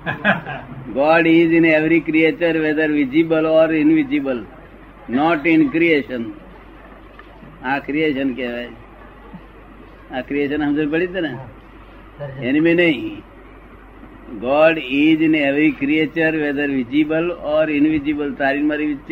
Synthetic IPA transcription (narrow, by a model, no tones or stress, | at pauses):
ɡɔːɖid͡ʒineʋɾikɾiet͡ʃəɾʋed̪əɾʋɪd͡ʒibəlɔːɾɪnʋɪd͡ʒibəl | nɔʈɪnkɾieːʃən | akɾijeːʃənkeʋe | akɾijeʃənɦəmd͡ʒəɾpəɽit̪ene | enimẽnəĩ | ɡɔːɖid͡ʒɪneʋɾikɾiet͡ʃəɾʋeːd̪əɾʋɪd͡ʒibəlɔːɾɪnʋid͡ʒibəlt̪aːɾinmaɾiʋɪt͡ʃːt͡ʃ